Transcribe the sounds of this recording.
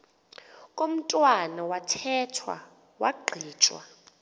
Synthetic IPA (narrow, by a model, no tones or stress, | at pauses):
kʼom̩tʼwanawatʰɛtʰwa̰ | waɡ͡ǃʱiːt͡ʃʼwa̰